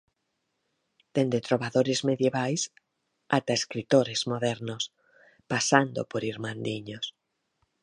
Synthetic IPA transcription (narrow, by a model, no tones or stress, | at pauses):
d̪̥end̪et̪ɾoβaðoɾezmeðjeβajs | at̪aeskɾit̪oɾezmoðɛɾnos | pasand̪o̰poɾiɾmãnd̪iɲos